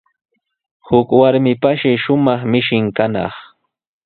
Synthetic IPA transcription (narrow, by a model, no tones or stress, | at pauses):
hʊkwaɾmɪpaʃɪʃʊmɑχmɪʃɪŋkanɑ̰χ